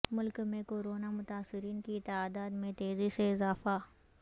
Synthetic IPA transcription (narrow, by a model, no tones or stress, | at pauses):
mʊlkmẽkoːɾoːnamʊt̪aːsɪɾiːnkit̪aːd̪aːd̪mẽt̪eːziseɪzaːfa